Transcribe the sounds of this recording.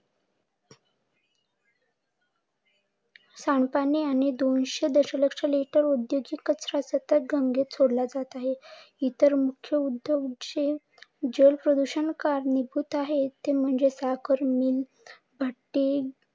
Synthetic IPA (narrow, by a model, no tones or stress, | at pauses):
saɳpaniañid̪onɕed̪əɕələkʂəliʈəɾud̪joɡikːəsɾasət̪ət̪̚ɡʱəŋɡet͡sʰoɽlad͡zat̪aɦeit̪əɾmukʰjəud̪joɡd͡ʑe | d͡ʑəlpɾəd̪uɕənkaɾnibʱuːt̪aɦet̪em̤əɳd͡zesakəɾmiːl | bʱaʈːi